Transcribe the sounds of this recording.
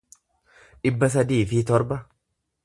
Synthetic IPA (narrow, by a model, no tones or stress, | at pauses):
ᶑɪbːɐs̬ɐd̪iːfɪt̪ɔɾbɐ